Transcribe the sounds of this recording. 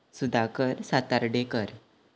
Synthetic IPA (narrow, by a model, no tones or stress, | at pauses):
sud̪akəɾsat̪aɾɖekəɾ